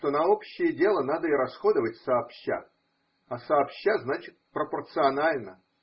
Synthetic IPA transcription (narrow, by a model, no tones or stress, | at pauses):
t̪o̞nɐopɕːɪjədʲe̞lˠənad̪əiɾɐsxo̞d̪əvətʲsɐːpɕːa̰ | ɐsɐːpɕːaznat͡ɕɪt̪̚pɾəpərt̪sɨɐnalʲnə